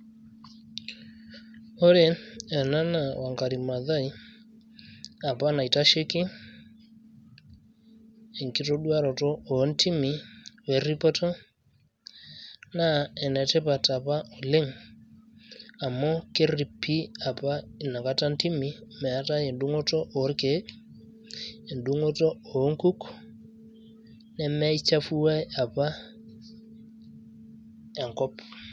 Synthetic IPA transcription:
o˦ɾe˦ɛ˨na˦na˨wa˨ŋɡa˨ɾi˨ma˨ða˦i˦ | a˨pa˦na˨i˨ta˦ʃe˦ki˦ | e˨ŋki˦to˦ɗu˦a˦ɾɔ˨tɔ˦o˨˦nti˦mi˨wɛ˨ɾi˦pɔ˦tɔ˦ | na˦˨ɛ˨nɛ˨tɛ˦pa˨ta˨pa˦o˨le˦ŋ | a˨mɔ˦ke˦ri˨pʰːi˦a˨pa˦i˨na˨ka˦ta˦nti˦mi˦mɛ˨a˦ta˦e˨ndu˦ŋo˦tɔ˦ʔo˨˦rke˨˦ | e˨ndu˦ŋo˦tɔ˦o˨˦ŋku˦k | nɛ˦mɛ˦i˦t͡ʃa˦fu˦a˦ja˨pa˦ | ɛ˨ŋkɔ˦p

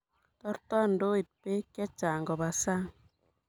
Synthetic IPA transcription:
t̪ɔ˦ɾt̪ɔ˦ndoː˦i˨t̪̚pe˦kːjɛ˦t͡ʃaː˨ŋɡɔ˨ba˨sa˦ŋ

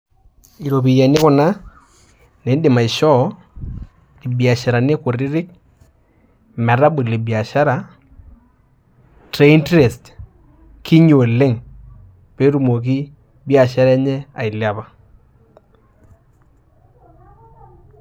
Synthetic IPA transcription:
i˨ɾo˨pi˨jɛ˨nɪ˦kʊ˨na˦ | ne˨˦dɪ˨ma˨i˨ʃɔ˦ | li˨bi˨a˨ʃa˨ɾa˨ne˦kʊ˨ɾɪ˦ɾɪ˦k̚ | mɛ˨ɾa˦ɓʊ˨li˨bi˨a˨ʃa˦ɾa˨ | tɾe˨˦i˦ntɾe˨st | ki˦ɲo˨lɪ˦ŋ | pe˦ɾu˨mo˨k̬i˦ | bi˦a˨ʃa˦ɾɛ˦ɲɛ˦a˨ɪ˨lja˨pa˨

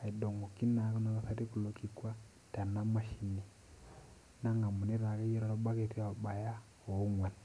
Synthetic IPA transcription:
a˨i˨do˨ŋɡo˨ki˦na˨˦ku˦na˨βa˨sa˦ti˦ku˨lo˨˦ki˨kwa˦ | ta˨na˦ma˦ʃi˦ni˨ | na˦ŋɡa˨mu˨ni˦ɾa˨ka˦jɛ˦ɾa˨ɾo˦ɓa˦ke˨ti˦a˨ɓa˨ja˦ | o˨˦ŋwʷa˨n

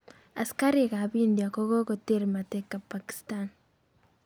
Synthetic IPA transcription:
a˨ska˦ɾika˨bindjako˦ɡo˦ko˨teɾma˨tekːa˨pːaki̥stan

